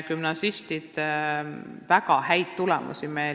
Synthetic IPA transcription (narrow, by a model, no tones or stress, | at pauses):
kymnɑsist̪id̪̥ | vækɑhæjd̪t̪ulɛ̰mṵsimej